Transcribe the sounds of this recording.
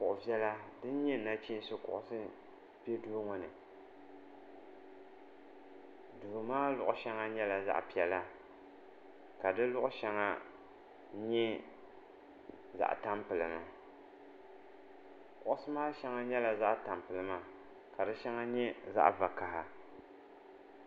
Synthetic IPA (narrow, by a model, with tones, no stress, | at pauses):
pʊ˨ʔʊ˨vi˦ɛ˦la˦dɨ˦n˦ɲɛ˦˨˦na˦t͡ʃi˦n˦sʊ˦kʊ̰˨ʔʊ˨sɨ˦ | pe˦du˦ŋɔ˨nɨ˨ | duː˨maː˦lʊ˨ʔʊ˨ʃɛ˦ŋa˦ɲɛ˦la˨za̰˦ʔpi˨ɛ˨la˦ | ka˨dɨ˦lʊ˦ʔʊ˦ʃɛ˨ŋa˦ | ɲɛ˦ | za̰˦˨ʔta˦mpɨ˨lɨ˨ma˨ | kʊ˨ʔʊ˦sɨ˦maː˦ʃɛ˦ŋa˦ɲɛ˦la˨za˦ʔta˨mpɨ˨lɨ˨ma˦ | ka˨dɨ˦ʃɛ˦ŋa˦ɲɛ˦za̰˦ʔva˨ka˨ha˨